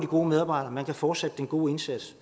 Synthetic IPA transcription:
d̥iɡ̥o̝ːmeðˠɑːb̥ɑ̈ɪd̥ɐːmænkʰæfɒːd̥sed̥əd̥enɡ̥o̝ːe̝nsæd̥s

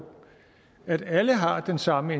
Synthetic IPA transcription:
æd̥æləɦɑ̈d̥ensɑ̈məe

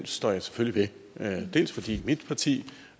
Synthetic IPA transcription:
nsd̥ɒ̰ːjɑ̈ɪse̥føliʋe | d̥e̝̰ːlsfɒ̽d̥ḭːmid̥pʰɑ̈t͡sʰḭː

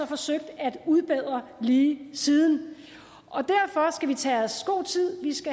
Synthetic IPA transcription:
ɒ̽fɒ̽søɡ̥̚d̥æd̥uðˠb̥eð̰ˠʁɐliːsið̞ˠn̩ | ʔɒ̽d̥æɐfɒ̽sɡ̥æʋit͡sʰɛsɡ̥o̝̰ːt͡sʰið̰ˠʋisɡ̥æ

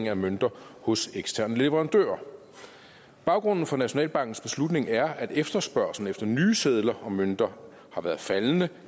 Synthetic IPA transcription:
ŋæmønd̥ɐhɔ̽seɡ̥sdt͡sʰæɐnəle̝ʋəʁɑ̈nd̥ø̰ːɐ | b̥ɑ̈ʊɡ̥ʁɔ̽n̰n̩fɒ̽næɕo̝nɛ̰ːlb̥ɑ̈ŋ̰ɡ̥n̩sb̥e̝slud̥ne̝ŋæɐæd̥efd̥ɐsb̥ɶɐ̰sln̩efd̥ɐnyːseð̞ˠlɐɒ̽mønd̥ɐ | hɑ̈ʋæːɐð̩ˠfælnə

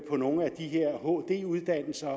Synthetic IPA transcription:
pʰɒ̽no̝ːŋ̩æd̥iɦe̝ɐ̰ɦo̰ːd̥e̝̰ːuð̞ˠd̥æn̰l̩sɐ

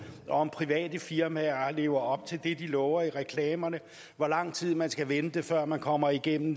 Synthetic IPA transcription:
ʔɒ̽ɒmpʰʁiʋɛ̰ːd̥əfiɐmæɐle̝̰ːʊɐɒ̽b̥̚t͡sʰe̝ld̥e̝d̥ilɒːʊɐiʁɛkʰlɛːmɐnə | ʋɒlɑ̈ŋ̰t͡sʰið̞̰ˠmænsɡ̥æʋenəd̥efɶɐ̰mænkʰɒ̽m̰ɐiɡ̥en̰m̩

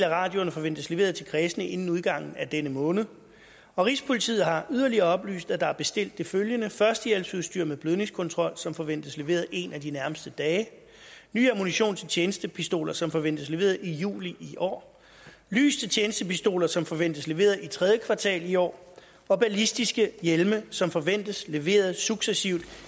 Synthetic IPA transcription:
læʁɑ̈ːd̥jo̝nəfɒ̽ʋen̰d̥əsleʋe̝̰ːɐð̞̩ˠt͡sʰe̝lkʰʁɛːsənəʔe̝nn̩uð̞ˠɡ̥ɑ̈ŋ̰n̩æd̥enəmɔ̽ːnð̩ˠ | ɒ̽ʁispʰo̝lit͡sʰḭð̩ˠɦɑ̈yðˠɐliɐɒ̽b̥ly̰ːsd̥æd̥ɑ̈æɐb̥e̝sd̥e̝l̰d̥ːe̝føljənəfɶɐsd̥əjelsuð̞ˠsd̥yɐ̰meðˠb̥løðˠne̝ŋskʰɔ̽nt͡sʰʁɒ̽l̰sɒ̽mfɒ̽ʋen̰d̥əsle̝ʋe̝̰ːɐð̩ˠe̝̰næd̥inæɐməsd̥əd̥ɛː | ny̰ːæmoniɕo̝̰ːnt͡sʰe̝t͡ɕʰeːnəsd̥əpʰisd̥o̝̰ːlɐsɒ̽mfɒ̽ʋen̰d̥əsle̝ʋe̝̰ːɐðˠijṵːliʔiʔɒ̰ː | ly̰ːst͡sʰe̝t͡ɕʰeːnəsd̥əpisd̥o̝̰ːlɐsɒ̽mfɒ̽ʋen̰d̥əsle̝ʋe̝̰ːɐðˠit͡sʰʁɛðˠjəkʰʋɑ̈t͡sʰɛ̰ːliɒ̰ː | ɒ̽b̥ælisd̥isɡ̥əjelməsɒ̽mfɒ̽ʋen̰d̥əsle̝ʋe̝̰ːɐð̞̩ˠsuɡ̥sesiʊ̰d̥

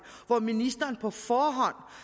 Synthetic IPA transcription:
ʋɒminisd̥ɐːnpʰɒ̽fɒːɦɒ̽n̰

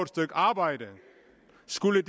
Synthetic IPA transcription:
d̥sd̥øɡ̥ɑ̈ːb̥ɑ̈ɪ̰d̥ə | sɡ̥uləd

